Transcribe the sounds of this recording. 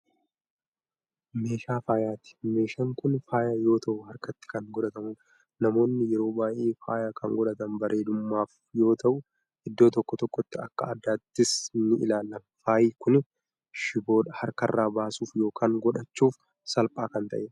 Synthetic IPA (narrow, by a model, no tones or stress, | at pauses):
me̞ːʃaːfaːjaːt̪ɪ̥me̞ːʃɐŋkʊnfaːjaːjo̞ːt̪ʰɐʔʊhɐɾkɐt̪ːɪ̥kɐŋɡɔᶑɐt̪ɐmuːᶑ | nɐmo̞ːnːɪjɛɾo̞ːbaːʔeːfaːjaːkʰɐŋɡɔᶑɐt̪ɐnbɐɾe̞ːd̪ʊmːaːf | jo̞ːt̪ʰɐʔʊ | ɪd̪ːo̞ːt̪ɔkːɔt̪ɔkːɔt̪ːɪɐkːɐɐd̪ːaːt̪ːɪsnːɪʔɪ̰laːlːɐmfaːjiːkʊn | ʃɪbo̞ːᶑɐhɐɾkɐrːaːbaːsuːfjo̞ːkʰaːŋɡɔᶑɐt͡ʃːuːf | sɐlpʼaːkɐnt̪ɐ̰ʔe